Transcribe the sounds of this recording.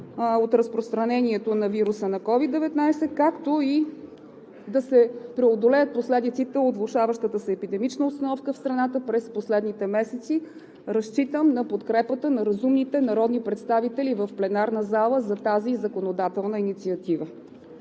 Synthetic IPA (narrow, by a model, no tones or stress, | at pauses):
ot̪ɾəspɾost̪ɾɐnɛniɛt̪onɐviɾusənɐkɔvid̪d̪ɛvɛt̪najsɛkakt̪oi | d̪ɐsɛpɾɛod̪olɛjət̪̚poslɛd̪it̪sit̪ɛot̪vlˠʊʃavəʃt̪ət̪əsɛːpid̪ɛmit͡ʃnəʊt̪st̪ɐnɔfkəfst̪ɾɐnat̪əpɾɛsposlɛd̪nit̪ɛmɛsɛt̪si | ɾɐst͡ʃit̪əmnɐpot̪kɾɛpət̪ənɐɾɐzumnit̪ɛnɐɾɔd̪nipɾɛt̪st̪avit̪ɛlivəfplɛnaɾnəzalˠəzɐt̪azizəkonod̪at̪ɛlˠnəinit̪siɐt̪ivə